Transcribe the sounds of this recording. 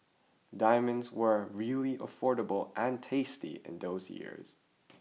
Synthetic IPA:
dãɪmɨ̃ndzwə˞ɹilˠiʔə̰fɔɹɾəbl̩ˠʔə̃ntʰeɪstḭɪ̰̃nðoʊzjɪ̰ɹz̥

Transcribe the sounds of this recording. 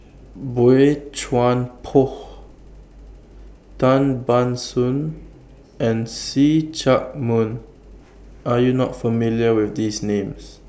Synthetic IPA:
boet͡ʃwãnpʰɔh | tãnbãnsũn | ɛ̃nsit͡ʃak̚mũn | ʔajunɔtfəmiljəwɪθd̪isnẽms

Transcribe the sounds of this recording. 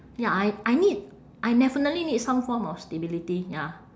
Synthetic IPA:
jaajʔajnid̚ | ʔajnɛfənəlinid̚sãmfɔ̃mɔfstebilitija

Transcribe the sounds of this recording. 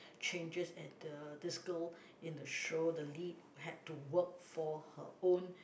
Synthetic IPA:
t͡ʃẽnd͡ʒəsɛt̚dədɪskəl | ɪ̃ndəʃodəlid | ɦɛd̚tuwək̚fɔhə̰õn

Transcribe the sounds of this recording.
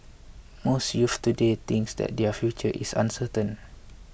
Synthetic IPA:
mosjuft̪udet̪ĩŋksdɛ̰t̚dɛəfjut͡ʃəʔḭsã̰nsətə̃n

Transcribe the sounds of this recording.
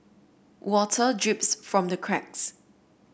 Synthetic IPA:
wʔɔtʰədɹɪpsfɹɔ̃mdəkʰɹ̥ɛk̚s

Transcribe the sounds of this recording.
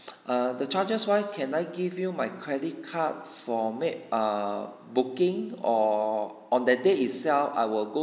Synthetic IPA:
adət͡ʃad͡ʒəswajkʰɛ̃najɡivjumajkʰɹɛdit̚kʰat̚fɔmeʔ̚a | bukĩŋɔ | ɔ̃ndɛdeitsɛlfa̰jwilɡo

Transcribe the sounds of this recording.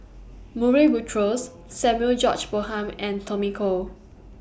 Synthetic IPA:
muɹibutʰɹosː | ɛ̃mjuəld͡ʒɔt͡ʃbohãmɛ̃ntʰɔmikʰo

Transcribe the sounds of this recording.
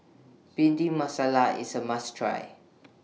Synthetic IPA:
bĩndĩŋmasalaḭsəmastʰɹa̰j

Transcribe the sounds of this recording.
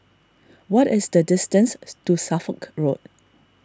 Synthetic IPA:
wɔtɪsdədɪstə̃nstusafəkɹod

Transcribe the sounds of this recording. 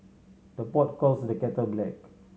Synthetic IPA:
d̥əpɔt̚kɔlsdəkɛtəblɛk

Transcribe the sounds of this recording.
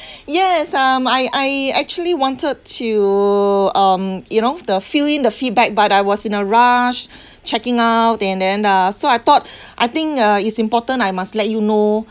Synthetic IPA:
jɛsʌmajʔajɛk̚t͡ʃuəliwɔ̃ntʰəd̚tʰu | ʌ̃mjunodəfilĩndəfit̚bɛk̚batajwɔsĩnəɹaʃ | t͡ʃɛkɪ̃ŋaʊtɛ̃ndɛ̃nʌsoajt̪ɔt̚ʔajt̪ɪ̃ŋkʌitsĩmpɔtə̃najmastlɛt̚juno

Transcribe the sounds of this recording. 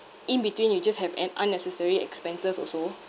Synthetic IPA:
ʔĩnbitwĩnwid͡ʒashɛvɛ̰̃nã̰nːɛsəsəɹiɛ̰kspɛ̃nsəsɔ̰so

